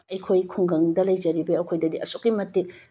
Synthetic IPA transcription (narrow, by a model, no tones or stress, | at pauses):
ɐjkʰojkʰuŋɡɐŋdɐlɐjd͡ʒɐɾibɐɐkʰojdɐdiɐsokːimɐtːi